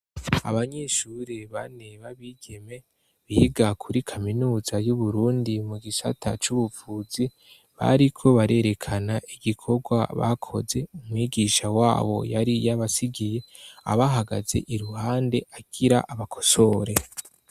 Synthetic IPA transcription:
a̰βaɲe̞ʃuɾeβa̰neβaβiɡ̥e̞me̞ | βiiɡakʰuɾikʰaminuːzajuβuɾuːndimuɡisa̰tʰa̰t͡ʃuβufuːzi | βa̰ɾikʰo̞βaɾe̞ɾe̞kʰanaʔiɡikʰo̞ɡwaβa̰kʰo̞̰ze̞umwiːɡiʃawaːβo̞̰jaɾijaβasiɡije̞a̰βaɦaɡa̰ze̞̰ʔiɾuhaːnde̞ʔaɡ̥iɾaʔaβakʰo̞̥so̞ɾe̞

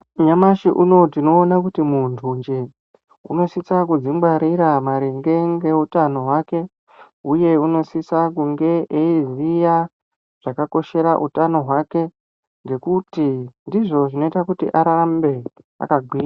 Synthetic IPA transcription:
ɲamaʃiʔuno̞tino̞ːnakutimuntʰuɲd͡ʒe | ṵno̞sisakud͡ziŋɡaɾiɾamaɾiŋɡe̞ŋɡe̞utano̞ɦwake̞ | uje̞uno̞sisakuŋɡe̞ʔeizija | ʐ̥akako̞ʃe̞ɾaʔutano̞ɦwake̞ | ŋɡe̞kutindiʐo̞ʐino̞itakutḭʔaɾambe̞ | a̰kaɡʱwiːra

